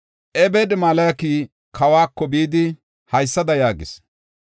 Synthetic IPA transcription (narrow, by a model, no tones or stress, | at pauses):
ʔɛbɛd̪maːlɐkiː | kʰɐwaːkːɔbiːd̪ɪ | hɐjsːɐd̪ɐjaːɡɪ̰s